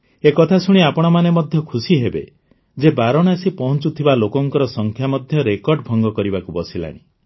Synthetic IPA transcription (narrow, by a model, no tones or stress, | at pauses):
ekɔt̪ʰasuɽ̃iapɔɽ̃ɔmanemɔd̪ʱjɔkʰusiɦebḛ | d͡ʒebaɾɔɽ̃asipɔɦɔnt͡ʃut̪ʰibalokɔŋkɔɾɔsɔŋkʰjamɔd̪ʱjɔɾekɔɾɖbʱɔŋɡɔkɔɾibakubɔsila̰ɽ̃ḭ